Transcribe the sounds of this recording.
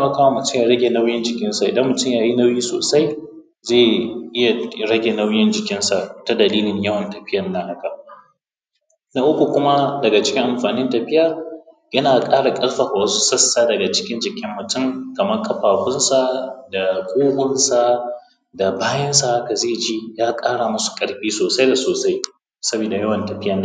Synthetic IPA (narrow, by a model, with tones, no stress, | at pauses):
te˦mɐ˨kaː˦wa˦mʊ˨tʊ˦ja˨ɽɐ˦ɡʲe˨na˦wjɪ˦nd͡ʒɪ˨kʲɪ˦nsa˨ʔɪ˨dɐ˦mːʊ˨tʊ˦mjaː˨ji˦na˦wjiː˦so̰ː˨sa˦j | zeː˦˨ʔɪ˦ja˨ɽɐ˦ɡʲe˨na˦wjɪ˦nd͡ʒɪ˨kʲɪ˦nsa˨ta˦dɐ˨liː˦lɪ˨ɲjɐ˦wɐ˨ntɐ˨ɸɪ˦jɐ˨nːa˦ha˦ka˨ | na˦ʔʊ˦kʷu˨kʷʊ˦ma˦dɐ˨ɡa˨t͡ʃɪ̥˦kʲɪ˦ŋʔa˨mɸaː˨nɪ˦ntɐ˨ɸɪ˦jaː˨ | jɐ˦naː˨kʼaː˦ɽa˨kʼɐ˦lɸɐ˨ka˨wɐ˦su˦sɐ˦sːaː˦dɐ˨ɡa˨t͡ʃɪ̥˦kʲɪ˦nd͡ʒɪ˨kʲɪ˦mːʊ˨tʊ˦ŋkɐ˨mɐ˦rkʰʼɐ˨ɸaː˨ɸʊ˦nsa˨da˨kʷʼoː˦hʷʊ˦nsa˨ | da˨baː˦jɐ˦ns̬a˨ha˦ka˨zeː˦˨d͡ʒiː˦jaː˦kʼaː˦ɽa˨mʊ˦su̥˨kʼɐ˦ɽɸiː˦soː˨sa˦jda˨soː˨sa˦j | sɐ˦biː˨da˨jɐ˦wɐ˨ntɐ˨ɸɪ˦jɐ˨n˦